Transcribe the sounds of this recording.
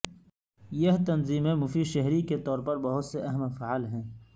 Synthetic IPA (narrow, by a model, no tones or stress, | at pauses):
jɐɦt̪ɐnziːmẽmʊfiʃɐɦɾiket̪ɔːɾpɐɾbɐɦʊt̪seʔɐɦəmefaʕlɦɛ̃ː